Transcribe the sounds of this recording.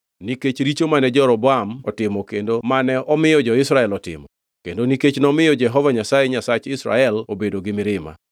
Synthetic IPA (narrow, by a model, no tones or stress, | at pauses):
niket͡ʃɾit͡ʃomanɛd͡ʒɔɾɔbɔamɔtɪmɔkendomanɛɔmɪjɔd͡ʒɔɪsɾaɛlɔtɪ̰mɔ | kendoniket͡ʃnɔmɪjɔd͡ʒɛɦɔvaɲasajeɲasat͡ʃɪsɾa̰ɛlobedoɡɪmɪɾɪma̰